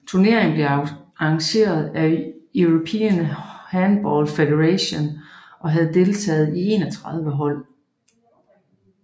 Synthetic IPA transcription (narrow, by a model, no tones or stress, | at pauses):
t͡sʰuɐne̝ɐ̰eŋn̩b̥leɑɑŋɕe̝̰ːɐð̞̩ˠæuʁopʰḭːnhænb̥ɒːlfeɾeʁæɕo̝nʔɒ̽ɦæð̞̩ˠd̥e̝lt͡sʰɛ̰ːð̞̩ˠie̝ːnɒt͡sʰʁäð̞ˠʋəɦɒ̽l̰